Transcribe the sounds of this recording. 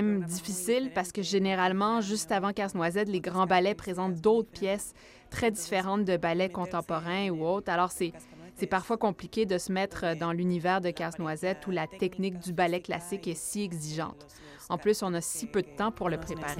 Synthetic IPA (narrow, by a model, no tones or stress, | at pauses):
md̪ifisɪlpaʁsə̥kəʒeneʁalmɑ̃ʒyst̪avɑ̃kaznwazɛt̪leɡʁɑ̃balɛpχezɑ̃t̪̚d̪ot̪χpjɛs | t̪χɛd̪ifeʁɑ̃t̪̚d̪əbalɛkɔ̃t̪ɑ̃pɔʁɛ̃uot̪χalɔːʁsɛ | sɛpaʁfwakɔ̃plikʲed̪əsəmɛt̪χəd̪ɑ̃lynivɛːʁd̪əkaznwazɛt̪ulat̪ɛknɪk̚d̪ybalɛkla̰sɪkɛsiɛɡziʒɑ̰̃t̪ | ɑ̃plysɔ̃nasipød̪ət̪ɑ̃puʁləpχepaʁe